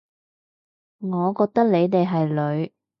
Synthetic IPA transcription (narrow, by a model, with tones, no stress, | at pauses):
ŋɔː˨˧kɔː˧k̚t̪ɐ˥k̚ne˨˧jt̪e˨jɦɐ˨jlɵ˨˧˥ɥ